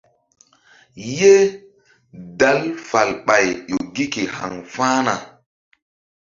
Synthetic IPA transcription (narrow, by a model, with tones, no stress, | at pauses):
je˦ | da˨˦lfa˨lɓa˨jɗo˨ɡi˦ke˨ha̰˨ŋfãː˦na˨